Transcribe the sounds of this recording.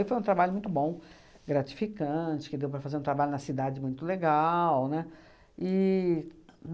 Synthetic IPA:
ifojũt̪ɾabaʎʊmũj̃t̪ʊbõ | ɡɾat͡ʃi̥fikɐ̃t͡ʃɪ̥kɪd̪ewpɾɐfazeɾũt̪ɾabaʎʊnɐsid̪ad͡ʒɪmũj̃t̪ʊleɡawnɛ | ɪ

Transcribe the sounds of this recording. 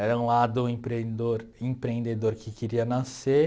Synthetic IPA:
ɛɾɐũlad̪ʊẽpɾẽd̪oɾẽpɾẽnd̪ed̪oɾkɪkɪɾiɐnase

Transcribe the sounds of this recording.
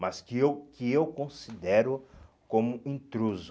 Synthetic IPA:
mɐskɪewkɪewkõsid̪ɛɾʊ | kõmʊĩnt̪ɾuzʊ

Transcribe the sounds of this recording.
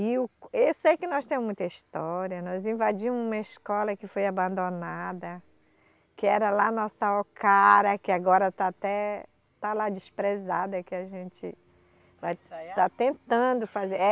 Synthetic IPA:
ɪʊewsejkɪnɔst̪ẽmʊmũj̃t̪ɐist̪ɔɾiɐnɔzĩvad͡ʒĩmʊũmɐiskɔlɐkɪfojabɐ̃nd̪onad̪ɐ | kɪɛɾɐlanɔsɐokaɾɐkɪaɡɔɾɐt̪aːt̪ɛ | t̪alad͡ʒispɾezad̪ɐkɪaʒẽt͡ʃɪ̰ | vajt̪at̪ẽt̪ɐ̃d̪ʊfaze

